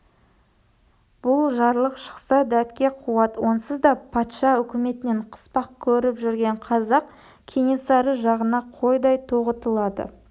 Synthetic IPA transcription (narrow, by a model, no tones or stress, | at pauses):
b̥ʊlˠʒɑɾlˠəqʃə̥qsɑd̪æt̪kʲe̞qʰuwɑt̪wo̞nəsəzd̪ɑpʰɑt̪ʃɑʏkʲɪme̞t̪ɪne̞ɴqʰə̥spɑq̚kʲʰɵɾɪpʒʏɾɡʲe̞ɴqʰɑzɑq | kʲʰeŋe̞sɑɾəʒɑʁənɑqʰojd̪ɑjt̪ʰoʁət̪əlˠɑd̪ə̰